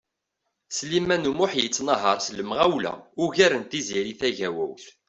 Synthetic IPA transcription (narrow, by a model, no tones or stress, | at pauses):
slimænumʊħjət͡sːnəɦəɾˤsləmʁæwlæ̰ʊʝæɾənt̪iziɾiθæʝæwæ̰wθ